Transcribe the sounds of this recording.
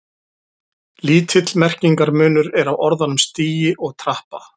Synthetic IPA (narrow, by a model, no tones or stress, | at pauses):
liːt̪ʰɪt̪lmɛr̥ciŋkaɾmʏːnʏɾɛɾawɔɾðanʏmst̪iːjɪʔɔɣt̪ʰɾahpa